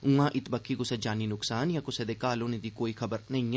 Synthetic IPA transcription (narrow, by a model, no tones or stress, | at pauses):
ũãːʔɪt̪bɐkʰːikosed͡ʒaːninʊksaːnjakosed̪ekaːlõnẽd̪ʱikoːixɐbəɾnɐɦĩ